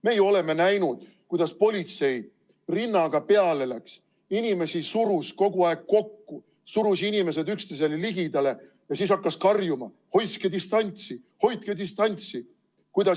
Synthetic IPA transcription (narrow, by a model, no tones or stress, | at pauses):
mejo̞le̞me̞næjnud̪̥ | kujd̪̥ɑspo̞lʲit̪se̞j | rinːɑɡ̥ɑpe̞ɑle̞læks | inime̞sisuɾusko̞ɡ̥uɑeɡ̥̚ko̞kːu | suɾusinime̞se̞d̪ykst̪ese̞leliɡid̪̥ɑle̞ | jɑsiːsɑkːɑskɑrjumɑ | ho̞jt̪sked̪ist̪ɑnʲt̪si | ho̞jt̪̚ked̪ist̪ɑnʲt̪si | kujd̪ɑ